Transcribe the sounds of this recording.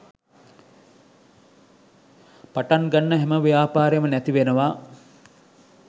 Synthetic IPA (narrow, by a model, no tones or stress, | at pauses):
paʈaŋɡanːəɦæməʋijaːpaːɾejmənæt̪iʋenəʋaː